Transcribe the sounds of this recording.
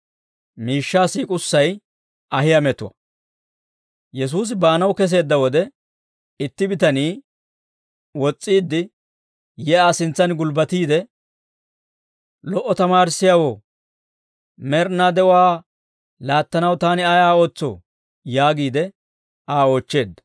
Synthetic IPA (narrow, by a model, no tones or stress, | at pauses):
miːʃːaːsiːkʼʊsːɐj | ɐɦɪjɐmɛt̪ʊwɐ̰ | jɛs̬uːs̬ɪbaːnɐwkɛs̬e̞ːd̪ːɐwɔd̪ɛ | ɪt̪ːɪbɪt̪ɐniː | wɔt͡sʼːiːd̪ːɪ | jɛaːsɪnt͡sːɐnɡʊlbɐt̪iːd̪ɛ | lɔʔːɔt̪ɐmaːɾɪsːɪjawoː | mɛɾnad̪ɛwaː | laːt̪ːɐnɐwt̪aːnɪaːjaːo̞ːt͡sːo̰ː | jaːɡiːd̪ɛ | aːo̞ːt͡ʃːe̞ːd̪ːɐ